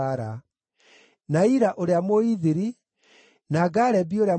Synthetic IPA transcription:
aɾa | naiɾaʔoɾeamoiðiɾi | naɡaɾɛbioɾea

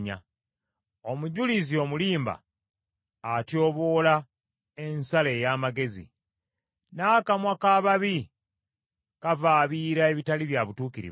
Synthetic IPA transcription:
ɲa̰ | o̞muɟulizio̞muliːmba̰ː | tjo̞ːβo̞ːla | ensaleːjaːmaɡe̞zḭ | naːkamwakaːβaβi | kavaːβiːɾae̞βitaliβjaβutuːkiɾḭβ

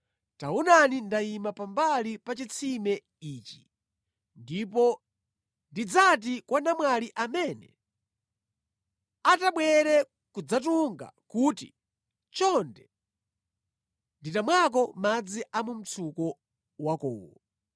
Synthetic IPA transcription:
taunanindaimapambalipat͡ʃit͡sʰimɛ | iːt͡ʃi̥ | ndipɔ | ndid͡zat̬ikwʔanamwaliʔamɛnɛ̰ | ataɓwɛɾɛ | kud͡zatuŋɡa̰kutḭ | t͡ʃɔndɛ | nditamwak̬ɔmad͡ziʔamum̩t͡sʰukɔ | wakɔ̰ːwɔ

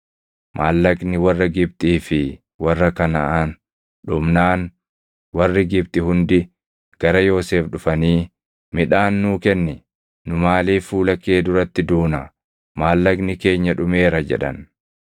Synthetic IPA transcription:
mʔaːlːɐknɪwɐrːɐɡɪb̚t̪ʼiːfɪ | wɐrːɐkɐnɐʔaːn | ᶑʊmnaːn | wɐrːɪɡɪbt̪ʼɪhʊnd̪ɪ | ɡ̥ɐɾɐjo̞ːse̞ːfɗʊfɐniː | mɪᶑaːnːuːkɛnːɪ | nʊmaːliːfuːlɐkːe̞ːd̪ʊɾɐt̪ːɪd̪uːnɐ | maːlːɐɡnɪke̞ːɲːɐᶑʊme̞ːɾɐd͡ʒɛ̰ᶑɐ̰n

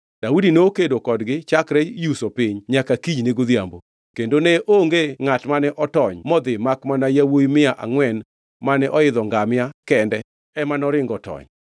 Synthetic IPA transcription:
d̥audinookedokɔdɡɪt͡ʃakɾɛjusopɪɲɲakakiɲneɡod̪jambo̰ | kendonɛʔoŋɡeŋatmanɛʔɔtɔɲmɔd̪ɪmakmanajawoimɪaʔa̰ŋwɛn | manɛʔɔɪd̪ɔŋɡamjakɛndɛ | ɛmanɔɾɪŋɡɔtɔ̰ɲ

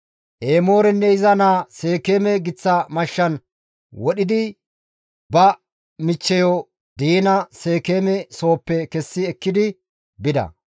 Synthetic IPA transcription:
ʔeːmo̞ːɾɛnːɛɪzɐnaːse̞ːkeːmɛɡɪt͡sːɐmɐʃːɐn | wɔɗɪd̪ɪ | bɐ | mɪt͡ʃːɛjɔ | d̪iːnɐse̞ːkeːmɛso̞ːpːɛkɛsːɪɛkːɪd̪ɪ | bɪd̪ɐ̰

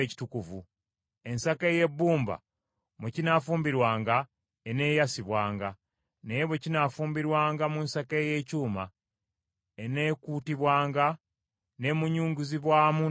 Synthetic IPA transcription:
eci̥tukuvu | e̞nsake̞je̞bːuːmba̰ | mucinafuːmbiɾwaːŋɡa | ene̞ːjasiβwaːŋɡa | neβwecinafuːmbiɾwaːŋɡamunsake̞je̞ːcuːma | ene̞kuːtiβwaːŋɡa | ne̞muɲuːŋɡuziβwaːmu

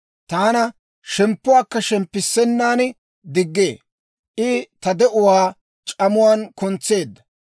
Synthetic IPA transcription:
t̪aːnɐ | ʃɛmpːʊwaːkːɐʃɛmpːɪsːɛnːaːn | d̪ɪɡːe̞ː | ʔɪt̪ɐd̪ɛʔʊwaː | t͡ʃʼɐmʊwaːnkʊnt͡sːe̞ːd̪ːɐ

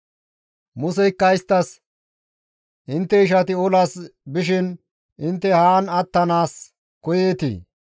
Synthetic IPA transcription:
mʊsɛɪkːɐjst̪ːɐs | ʔɪnt̪ːɛɪʃ̬ɐt̪ɪɔlasbɪʃɪn | ʔɪnt̪ːɛhaːnɐt̪ːɐnaːs | kɔjeːt̪ḭː

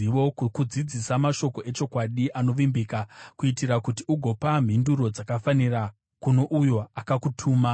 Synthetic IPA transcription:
iʋo̞kud͡zid͡zisamaʃo̞ko̞ʔe̞t͡ʃo̞kwaɗiʔano̞ʋimbiːkakuitirakutiuɡʱo̞pam̤induɾo̞d͡zakafanira | kuno̞ʔujo̞akakutʰuːma

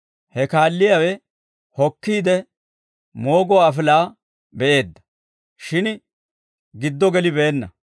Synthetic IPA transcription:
hɛkaːlːɪjawɛ | hɔkːiːd̪ɛ | mo̞ːɡɔaːfɪlaː | bɛʔe̞ːd̪ːɐ̥ | ʃɪn | ɡɪd̪ːɔɡɛlɪbeːnːɐ

